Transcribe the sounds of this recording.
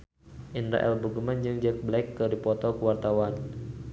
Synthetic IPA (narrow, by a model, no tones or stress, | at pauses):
ʔinɾa̰ʔɛ̰lbəɡəmand͡ʒɨŋd͡ʒək̚blɛkːɨdipɔt̪ɔkəwart̪awan